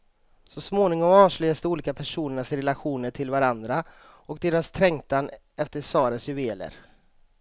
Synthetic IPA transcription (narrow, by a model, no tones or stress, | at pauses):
sɔsmoːnɪŋɔmɑːʂlɭœast̪əuːliːkapʰæʂuːnəɳasɾɛlaɧuːnəʈʰɪlvaɾand̪ɾa | ɔkd̪eːɾast̪ʰɾɛŋt̪an | ɛft̪əʂɑːɾəsjɵveːlə̰ɾ